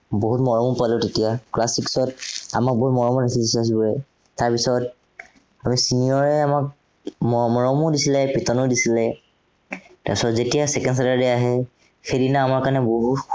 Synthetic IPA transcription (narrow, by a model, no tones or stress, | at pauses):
boɦutmɔɹɔmupalʊtetijaklasiksɔtamak̚boɦutmɔɹɔmudisʰildisias̬ibɔɹɛ | taɹpisɔt̚ | amisiniɔɹɛamak̚ | mɔmɔɹɔmudisilɛpitɔnʊdisilɛ | ta̰ɹsɔtzetijasɛkɛndsalaɹdɛaɦɛ | xejdinaamaɹkanɛboɦut